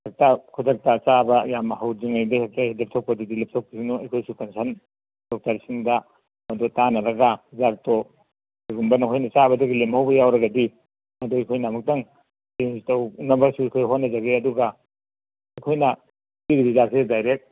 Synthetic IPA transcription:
ak̚takʰud͡ʒɐk̚tat͡ʃabɐjamɐhawd͡ʒiŋajdahak̚tahidep̚tʰaw̚pɐdidilɐp̚tʰaw̚pisinɔɐjkʰojsukansʰan | dɔk̚taɾsiŋda | mɐdotanɐɾɐɡazak̚tɔ | aɡumbɐnɐkʰojnɐt͡ʃabɐdoɡilemhawbɐjawɾɐɡɐdi | mɐdoajkʰojnamɐk̚daŋ | teŋsitɐwnɐbɐsuɐjkʰojɦonːɐd͡ʒaɡeɐduɡa | ɐjkʰojnɐ | diɡidizasedajɾek̚

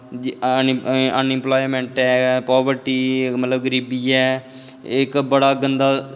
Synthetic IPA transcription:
ənɪ̃mplaːimɛ̃ːɳʈɛːpɔːbəɾʈiːmət̪ləbɡəɾiːbiːɛː | ɪkbəɽaːɡənd̪aː

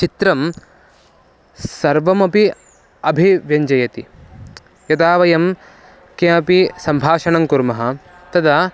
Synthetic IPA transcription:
t͡ʃit̪ɾɐm | sɐɾʋɐmɐpi | ɐbʱiʋjɐɲd͡ʒɐjɐt̪i | jɐt̪aːʋɐjɐm | keɐpisɐmbʱaːʃɐɳɐŋkuɾmɐɦɐ̆ | t̪ɐd̪ɐ

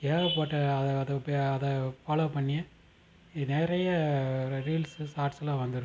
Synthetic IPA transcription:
keːɾɐp̬oːʈːɐɐðːðɐpeːðɐfɐlopɐɳːɪjɐ̃ | nɛːɾɐjɐɾiːlsɯsaːʈsɐlãːʋɐnd̪ɯɾɯk

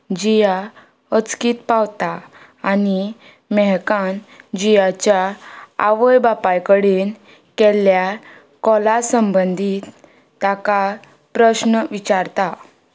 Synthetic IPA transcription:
d͡ʑija | ət͡skiːt̪pawt̪aː | ni | mɛɦkãnd͡ʑijat͡ɕjaaʋəjbapajkəɽiːn | kɛlja | kɔlasəmbənd̪ʱiːt̪ː | aka | pɾəɕnəʋit͡ɕaɾt̪a

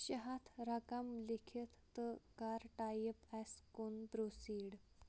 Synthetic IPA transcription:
ɕəɦat̪ʰɾakamlekʰet̪ʰːəkaɾʈajepɛskonbɾosiːɽ

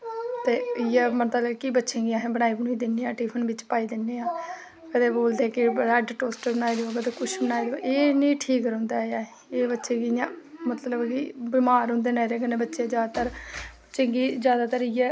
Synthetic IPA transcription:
t̪eːɪjɛːmət̪əlkibətːʃẽːɡɪjãːɦẽːbəɽaːiːbəɳiːd̪ɪnːiːãːʈiːpʰənʋɪt͡ʃpaːiːd̪ɪnːeːãː | kəd̪eːboːld̪eːkɪɾɛːɖʈoːsʈəɾbənaːid̪eoːɡət̪ekʊʃbənaːid̪eʔeːnĩːʈʰiːkɾõːnd̪aːjaː | eːbətːʃẽːɡɪjãːmət̪ləbkibɪmaːɾɦʊ̃nd̪eːneːɾeːkənẽːbətːʃeːd͡ʒjaːd̪aːt̪əɾbətːʃẽːɡiːd͡ʒjaːd̪aːt̪əɾɪjɛː

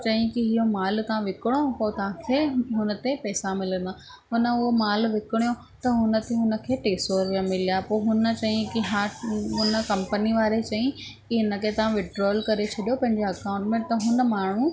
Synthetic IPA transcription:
t͡ɕɐɦĩkiɦɪɦomaːlkʰãʋɪkɪɽ̃opoːt̪ɐʋ̤ãkʰeːɦʊnə̆t̪epɛːsamɪlə̃nd̪a | ɦʊnə̆ʊɦomaːlʋɪkɪɽ̃ijo | t̪ɐɦʊnə̆t̪eɦʊnə̆kʰeːʈeːsoːɾʋiamɪlijapoːɦʊnə̆t͡ɕɐɦĩkiɦaːɦʊnə̆kɐ̃mpəniʋaːɾet͡ɕɐĩ | kiɦɪnə̆kʰet̪ɐʋ̤ãʋɪɖɾoːlkɐɾet͡ɕʰɐɗijopɐ̃ɦɪ̃ɲd͡ʑeɐkãːʊ̃ɳʈmẽt̪ɐɦʊnə̆maːɳ̤ũ

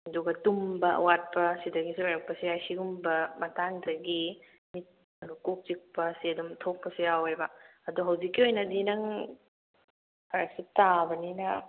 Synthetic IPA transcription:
duɡɐtumbɐɐ̰wat̚pɐsidɐɡisulajɾɐk̚pɐsiajsiɡumbɐmɐtaŋdɐɡi | mit̚ | ɐdukok̚t͡ʃik̚pɐsiɐdumtʰok̚pɐsijawaɾbɐɐduɦɐwzikːiojnɐdinɐŋ | aɾak̚sitabɐninɐ

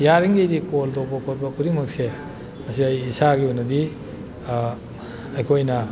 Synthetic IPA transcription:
jaɾiŋɡejdikoldobopot̚bɐkuɾimɐk̚se | mɐsiɐjːsaɡiunɐdi | ɐjkʰojnɐ

